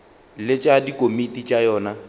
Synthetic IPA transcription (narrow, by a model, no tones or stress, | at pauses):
lɪt͡ʃʼadikʼomitʼit͡ʃʼajɔːna